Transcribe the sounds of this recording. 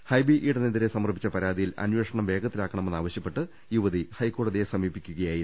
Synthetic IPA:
hɐjbiʔiɽɐned̪iɾesɐmɐrbʱit͡ɕːɐpɐɾaːd̪ijilɐ̰nweːʂɐɳɐmʋe̞ːɡɐt̪ːilaːkːɐɳɐmenːaːʋɐɕjɐpːe̞ʈːɨ | juʋɐðihɐjkːo̞ːɽɐðesɐmiːpːikʲːuɣɐjaːji

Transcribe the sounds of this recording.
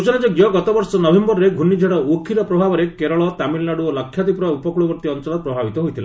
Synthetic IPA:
ut͡ʃɔnad͡ʒɔɡjɔɡɔt̪ɔbɔɾsɔnɔbʱembɔɾɔɾeɡʱunid͡ʒʱeɽɔuokʰiɾɔpɾɔbʱabɔɾekeɾɔɭɔt̪amilnaɽuɔlakʰːjat̪ipɾɔaupɔkuɭubɔɾt̪iɔnt͡ʃɔlɔt̪̚pɾɔbʱabit̪ɔɦojt̪ʰila̰

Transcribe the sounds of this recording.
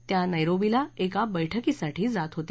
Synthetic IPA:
t̪janajɾobilaekabəjʈʰəkisaʈʰiːd͡zat̪ɦot̪

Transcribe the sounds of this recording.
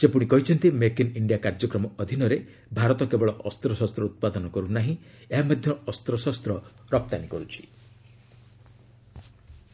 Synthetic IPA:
sepuɽ̃ikɔɦit͡ʃʰɔnt̪imekiniɳɖijakaɾd͡ʒɔkɾɔmɔɔd̪ʱinɔɾe | bʱaɾɔt̪ɔkebɔɭɔʔɔst̪ɾɔsɔst̪ɾɔut̪̚pad̪ɔnɔkɔɾunaɦĩeɦamɔd̪ʱjɔɔst̪ɾɔsɔst̪ɾɔɾɔp̚t̪anikɔɾut͡ʃʰi̥

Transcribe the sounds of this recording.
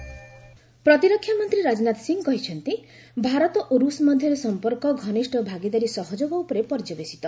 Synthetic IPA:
pɾɔt̪iɾɔkʰːjamɔnt̪ɾiɾad͡ʒɔnat̪ɔsiŋɡkɔɦit͡ʃʰɔnt̪i | bʱaɾɔt̪ɔʔoɾusmɔd̪ʱjɔɾesɔmpɔɾkɔɡʱɔniʃʈɔbʱaɡid̪aɾisɔɦɔd͡ʒoɡɔupɔɾepɔɾd͡ʒabesi̥t̪ɔ

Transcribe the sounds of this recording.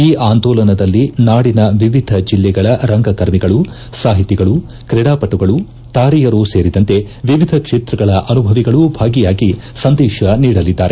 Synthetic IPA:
iːʔaːnd̪ɔːlɐnɐd̪ɐlːinaːɽinɐʋiʋid̪ʱɐd͡ʒilːɛɡɐɭɐɾɐŋɡɐkɐɾmiɡɐɭu | saːɦit̪iɡɐɭu | kɾɛɽaːpɐʈːuɡɐɭu | t̪aːɾijɐɾuse̞ːɾid̪ɐnt̪e̞ | ʋiʋid̪ʱɐkʂeːt̪ɾɐɡɐɭɐʔɐnubʱɐʋiɡɐɭubʱaːɡijaːɡi | sɐnd̪ɛːʃɐniːɽɐlid̪ːaːɾe

